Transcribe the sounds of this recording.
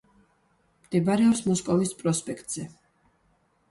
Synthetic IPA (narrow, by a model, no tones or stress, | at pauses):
md̪̥ɛbaɾɛɔpsmɔskʼɔvispʼɾɔspʼɛkʰt̪ʼz̥ɛ